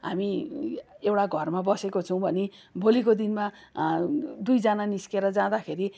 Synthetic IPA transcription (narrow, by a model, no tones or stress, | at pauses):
ɦa̰mi | ewʈaɡʱʌrmabʌsekot͡sʰʌw̃bʱʌnibʱolikod̪inma | d̪ujd͡zananiskeɾʌd͡zãd̪akʰeɾi